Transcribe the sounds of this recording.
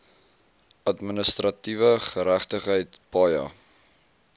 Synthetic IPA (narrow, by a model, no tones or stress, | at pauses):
ɐtmənəst̪rɐtivəχəɾæχtəχɦəjtpɑjɑ̰